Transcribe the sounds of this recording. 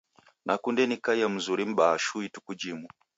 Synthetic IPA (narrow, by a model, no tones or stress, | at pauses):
nʔakundɛnikaijam̩zuɾim̩ɓaʃuitukud͡ʒimu